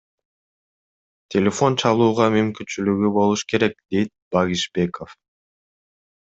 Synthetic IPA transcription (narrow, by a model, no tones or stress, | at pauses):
t̪ʲʰelʲe̞fo̞nt͡ʃʰɑlˠuːʁɑmymkynt͡ʃylyɡybo̞lˠuʃke̞ɾe̞k̚d̪e̞jt̪̚bɑɣiʃbe̞ko̞f